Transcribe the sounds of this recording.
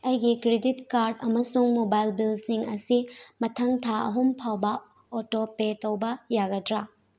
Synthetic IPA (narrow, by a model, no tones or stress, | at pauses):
ɐjɡikɾeditkaɾdɐmɐsuŋmobajlbilsiŋɐsimɐtʰɐŋtʰaɐ̰ɦumpʰawbɐ | otopetɐwbɐjaɡɐdɾa